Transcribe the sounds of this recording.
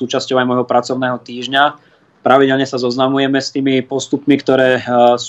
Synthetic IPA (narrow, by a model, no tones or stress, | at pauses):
uːt͡ʃascɔʊajmɔjɦɔpɾat͡sɔʊnɛːɦɔt̪iːʒɲa | pɾaʋiɟɛlɲɛsazɔznamujɛmɛst̪iːmipɔst̪upmikt̪ɔɾɛːs